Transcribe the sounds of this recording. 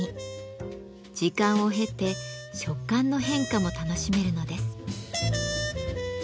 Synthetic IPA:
i | d͡ʑikãɰ̃o̞ɦe̞t̪e̞ | ɕo̞kːãnːo̞ɦẽ̞ŋkamo̞t̪ano̞ɕime̞ɾɯ̟no̞d̪e̞sɨ̥

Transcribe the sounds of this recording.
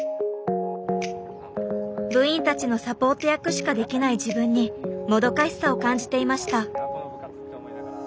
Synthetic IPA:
bɯ̟ĩnt̪at͡ɕino̞sapo̞ːt̪o̞jakɯ̟ɕi̥kad̪e̞kʲinaiʑibɯ̟̃ɲ̟ːimo̞d̪o̞kaɕi̥sao̞kãɲ̟d͡ʑi̥t̪e̞imaɕi̥t̪a

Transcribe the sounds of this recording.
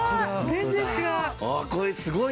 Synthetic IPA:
zẽnd͡zẽt͡ɕiɡaʊakoɾesɨɡo

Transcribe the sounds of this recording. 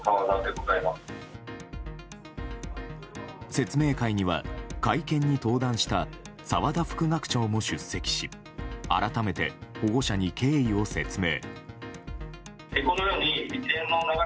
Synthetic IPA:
saβad̪ad̪e̞ɡo̞zaemasɨ̥ | se̞t͡sɨme̞ːkaiɲ̟iβa̰kaikẽ̞ɲ̟ːit̪o̞ːd̪ãɰ̃ɕi̥t̪a | saβad̪aɸɯ̥kɯ̟ɡakɯ̥t͡ɕo̞ːmo̞ɕɨsːe̞kʲi̥ɕi | a̰ɾat̪ame̞t̪e̞̰ho̞ɡo̞ɕaɲ̟ike̞ːio̞se̞̰t͡sɨme̞̰ː | eko̞no̞jo̞ːɲiit͡ɕiẽnːoonaɡa

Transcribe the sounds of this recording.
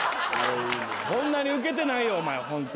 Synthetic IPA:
a | kõnːaɲ̟iɯ̟k̬e̞t̪̬e̞naijoːmajeɦõnt̪

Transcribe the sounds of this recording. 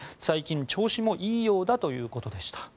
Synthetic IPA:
saikʲĩɲt͡ɕo̞ːɕimo̞ʔiːjo̞ːd̪at̪o̞jɯ̟ːko̞t̪o̞d̪e̞ɕi̥t̪ḁ

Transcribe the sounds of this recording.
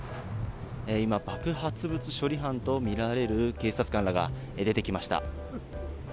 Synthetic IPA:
eimabakɯ̟hat͡sɨbɯ̟t͡sɨɕo̞ɾʲiɦãnt̪o̞mʲiɾaɾe̞ɾɯ̟ke̞ːsat͡sɨ̥kãñɾaɡa̰ | ed̪e̞t̪e̞kʲimaɕi̥t̪a̰

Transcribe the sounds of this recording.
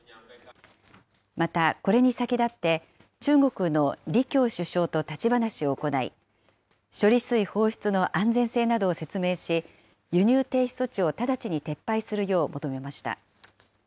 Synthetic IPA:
mat̪ako̞ɾe̞ɲ̟isakʲid̪at̪ːe̞ | t͡ɕɨːɡo̞kɯ̟no̞ɾʲikʲo̞ːɕɨɕo̞ːt̪o̞t̪at͡ɕibanaɕio̞ːko̞naḭ | ɕo̞ɾʲisɨiho̞ːçi̥t͡sɨno̞ʔãnd͡zẽ̞ɰ̃se̞ːnad̪o̞ːse̞t͡sɨme̞ːɕi | jɯ̟ɲ̟ʲɨːt̪e̞ːçi̥so̞t͡ɕio̞t̪ad̪at͡ɕiɲ̟it̪e̞pːaisɨɾɯ̟jo̞ːmʔo̞t̪o̞me̞maɕi̥t̪a̰

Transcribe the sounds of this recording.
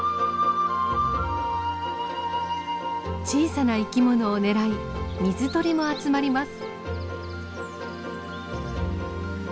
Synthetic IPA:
t͡ɕiːsanaikʲimo̞no̞ːne̞ɾai | mʲizɨt̪o̞ɾʲimo̞at͡sɨmaɾʲimasɨ̥

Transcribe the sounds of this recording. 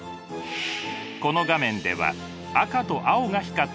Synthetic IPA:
ko̞no̞ɡamẽ̞nd̪e̞̰βa̰ | akat̪o̞ʔaoɡaçi̥ka

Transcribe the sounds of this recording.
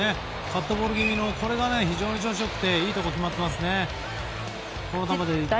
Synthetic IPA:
e | kat̪ːobo̞ːɾɯɡʲimʲino̞kʰo̞ɾe̞ɡane̞çiʑo̞ːɲ̟it͡ɕo̞ːɕ̬iokɯ̥t̪e̞iːt̪o̞kokʲimat̪ːe̞masɨne̞ | ko̞not̪amad̪e

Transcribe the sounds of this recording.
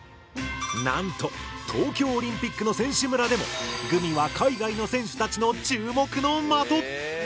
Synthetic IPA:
nãnt̪o̞t̪ʰo̞ːkʲo̞ːɾʲĩmpʲikːɯ̟no̞sẽ̞ɰ̃ɕɨmɯ̟ɾad̪e̞mo̞̰ɡɯ̟mʲiβakʰaiɡaino̞sẽ̞ɰ̃ɕɨ̥t̪at͡ɕino̞t͡ɕɨːmo̞kɯ̟no̞mat̪o

